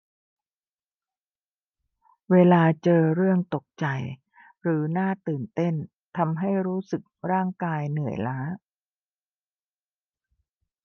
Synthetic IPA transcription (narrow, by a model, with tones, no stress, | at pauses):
weː˧laː˧t͡ɕɤː˧ɾɯ˥˩əŋt̪o˨˩k̚t͡ɕa˧˩j | ɾɯː˩˦naː˥˩t̪ɯː˨˩nt̪e˥˩n | t̪ʰa˧mɦa˥˩jɾuː˦˥sɯ˨˩k̚ɾaː˥˩ŋkaː˧jnɯ˨˩əjlaː˦˥